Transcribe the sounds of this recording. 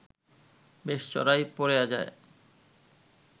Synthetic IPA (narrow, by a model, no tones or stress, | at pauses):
beʃt͡ɕɔ̰ɾajpoɾejad͡ʑa̰e